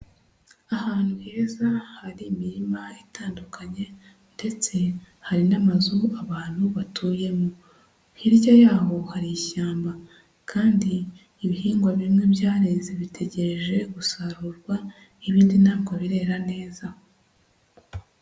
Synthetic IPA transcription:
ahaːn̥huheːzahaɾiːmiɾimaitʰaːndukʰaɲe̞ | nde̞t͡se̞ | haɾinamazuaβaːn̥huβatʰuːje̞mu | hiɾɟajaːɦo̞haɾijiʃaːmba | kʰaːndiː | βihiːŋɡwaβimŋe̞bjaːɾe̞zeβitʰe̞ɟe̞ɾeʒe̞ɡusaɾuɾɡwa | iβiːndinaːŋɡwaβiɾe̞ːɾane̞ːza

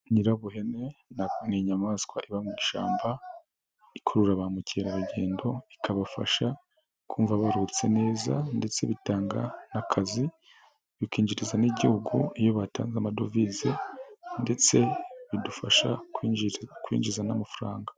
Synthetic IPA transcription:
ɲiɾaβuɦe̞ne̞niɲamaskwaʔiβamŋiːʃaːmba | ikʰoɾuɾaβamuceɾaβuɟe̞ːndo̞ikʰaβafa̰ʃa | kʰuːɱvaβaɾut͡se̞ne̞ːza̰nde̞t͡se̞βitaːŋɡanakʰazi | βikiːɲd͡ʒiɾizaniɟihuɡuijo̞βataːnzamadovizende̞t͡se̞βidufaʃa | kwḭːɲd͡ʒizanamafuɾaːŋɡḁ

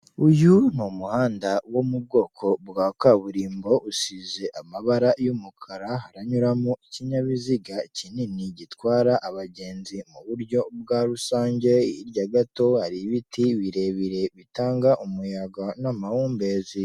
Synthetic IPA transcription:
ujun̥omuhaːndawomub̚ɡo̞ːkʰo̞bɡaːkaβuɾiːmbo̞ʔusize̞ʔamaβaɾajumukʰaɾaɦaɾaɲuɾamoiciɲaβiziɡacininiɟitwaːɾaʔaβaɟe̞ːnzimuβuɾɟo̞b̚ɡaːɾusaːɲɟe̞jiɾɟaɡato̞haɾiβitiβiɾe̞βiɾe̞βitaːŋɡaʔumujaɡanamahuːmbe̞ːzi

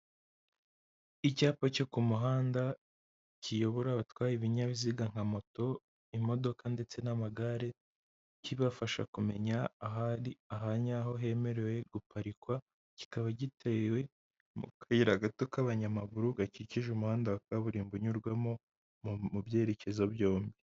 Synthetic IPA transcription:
icaːpocokumuɦaːnda | cʰijo̞βoɾaβatwaːjiβiɲaβiziɡaŋ̥hamo̞to̞ | imo̞do̞kande̞t͡se̞namaɡaɾe̞ | ciβafaʃa̰kume̞ɲaːɦandiaɦaɲaːɦo̞ɦe̞me̞ɾe̞we̞ɡ̥upaɾikwa | ci̥kaβaɟitʰewe̞ | mṵkʰaiɾaɡatokaβaɲamaβuɾuɡaciciʒumuhaːndaβakaβuɾiːmbuɲuɾɡwamo | mumubje̞ːɾe̞ce̞zobjo̞ːmbi

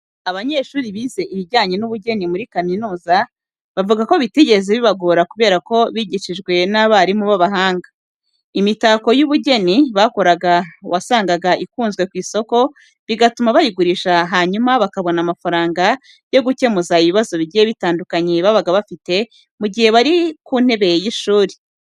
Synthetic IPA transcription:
aβaɲe̞ːʃuːɾiβiːze̞ʔiβiɾɟaːɲe̞nuβuɟe̞nimuɾikaminuːza | βavuɡako̞βiteɟe̞ɾezeβiβaɡoɾakuβe̞ːɾako̞βiɟiʃiʒɡwe̞naβaɾimuβaβaɦaːŋɡḁ | imitako̞juβuɟe̞niβako̞ɾaɡawasaːŋɡaɡaʔikuːnzɡwe̞kwiːso̞ko̞ | βiɡatumaβajiɡuɾiːʃaɦaːɲumaβakaβo̞namafaɾaːŋɡḁ | jo̞ɡuce̞muzaiβiβazo̞βiijeβitaːndukaɲeβaβaɡaβafite̞ | muɟihe̞βaɾikuːn̥e̞βe̞jjiʃuːɾi̥

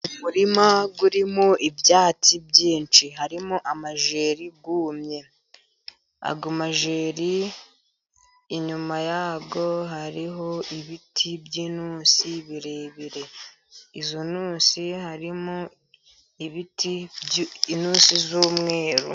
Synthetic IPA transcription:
umuɾimaɡuɾimoʔibjaːt͡sibɟiːnt͡ʃiɦaɾimuʔamaʒe̞ːɾiɡuːmɲe̞ | a̰ɡomaʒe̞ːɾi | ɲumajaːɡo̞ɦaɾiɦo̞iβitʰibjiːnuːnsiβiɾe̞βiɾe̞ | izonuːsihaɾimo | iβiti | inuːsizuːmŋe̞ːɾṵ

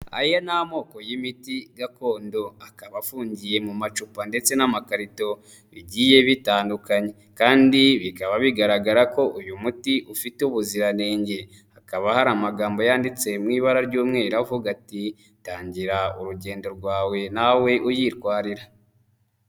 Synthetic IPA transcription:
a̰jonamo̞ːko̞jimitiɡako̞ːndo̞akaβafuːɲɟije̞mumat͡ʃupande̞t͡se̞namakaɾito̞ | βiɟije̞βitaːndukaɲe̞ | kaːndiβikaβaβiɡaɾaɡaɾako̞ʔujumutiʔufiteuβuziɾane̞ːɲɟe̞ | akaβahaɾamaɡaːmbo̞jaːndit͡se̞mŋiːβaɾaɾɟuːmŋe̞ːɾavuɡati | taːɲɟiɾauɾuɟe̞ːndo̞ɾɡwaːwe̞nawe̞ʔujiːɾkwaːɾiɾa

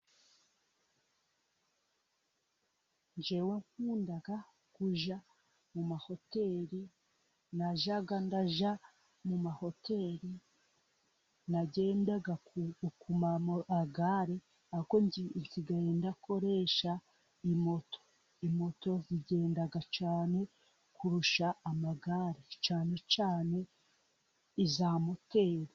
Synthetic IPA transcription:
ɲd͡ʒe̞we̞ŋkuːndaɡa | kuʒa | mumaho̞te̞ɾi | naʒaɡandaʒa | mumaho̞te̞ɾi | naɟe̞ːndaɡaukumaaɡaɾe | akonɟinsiɡaendako̞ɾe̞ːʃa | imo̞to̥ | imo̞to̞ziɟe̞ːndaɡat͡ʃaːne̞ | kʰuɾuʃaːmaɡaɾet͡ʃaːne̞t͡ʃaːne̞ | izaːmo̞te̞ːɾi

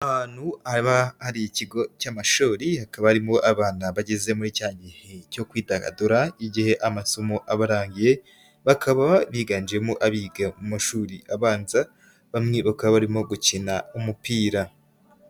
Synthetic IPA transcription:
ahaːnhuhaɾiβahaɾiiciɡo̞camaʃoːɾihakaβahaɾimo̞ʔaβaːnaβaɟe̞ze̞muɾicaːɲɟiheco̞kwiːtaɡa̰duɾaiɟihe̞ʔamasomoʔaβaɾaːŋɡije̞ | βakʰaβaβiɡand͡ʒemoʔaβiːɡamumaʃuːɾiʔaβaːnza | βamŋe̞βakaβaβaɾimo̞ɡucinaumupiːɾa

